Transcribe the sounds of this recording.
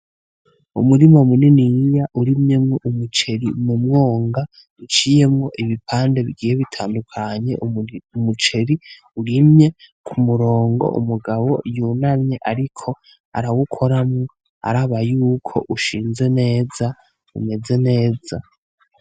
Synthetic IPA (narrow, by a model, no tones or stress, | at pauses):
ṵmuɾimamuninijaʔuɾimɲe̞mŋoʔumut͡ʃe̞ɾimumŋo̞ːŋɡa | ut͡ʃije̞mŋo̞ʔiβipʰaːnde̞βiɡiːjeβitʰaːndukʰaɲe̞̰ʔumut͡ʃe̞ɾi | uɾimɲe̞kʰumuɾo̞ːŋɡo̞̰ʔṵmuɡaβo̞junamɲeʔaɾikʰo̞ | a̰ɾawukʰo̞ɾamŋo | a̰ɾaβajuːkʰo̞̰ʔuʃiːnze̞ne̞ːza | ṵme̞ze̞ne̞ːza